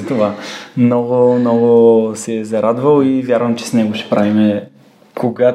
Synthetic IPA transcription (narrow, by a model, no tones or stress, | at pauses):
ɐt̪ovamnɔɡʊmnɔɡʊsɛzɐɾad̪vəlˠivʲjaɾvəmt͡ʃɛ̥snɛɡoʃɛ̥pɾavimɛ | koɡa